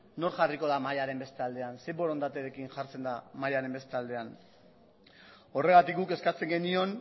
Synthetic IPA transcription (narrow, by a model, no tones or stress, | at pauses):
no̞ɾʝariko̞ðamajaɾe̞mbe̞st̪eald̪e̞anse̞bo̞ɾo̞nd̪at̪eɾekinʝaɾt͡se̞nd̪amajaɾe̞mbe̞st̪eald̪e̞an | o̞re̞ɣ̞at̪ik̚ɡuke̞skat͡se̞ŋɡe̞nio̞n